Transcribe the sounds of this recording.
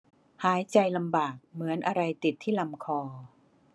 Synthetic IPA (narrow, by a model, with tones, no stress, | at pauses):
haː˩˦jt͡ɕa˧jla˧mbaː˨˩k̚mɯ˩˦ənʔa˧ɾa˧jt̪i˨˩t̪ʰːiː˥˩la˧mkʰɔː˧